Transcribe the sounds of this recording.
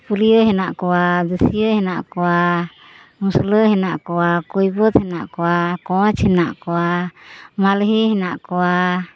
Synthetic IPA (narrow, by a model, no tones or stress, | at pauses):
puɾijəɦɛnaʔkɔwad̪usijəhɛnaʔkɔwa | musləɦɛnaʔkɔwakujbɔt̪hɛnaʔkɔwakɔ̃t͡ʃhɛnaʔkɔwa | malɦiɦɛnaʔkɔwa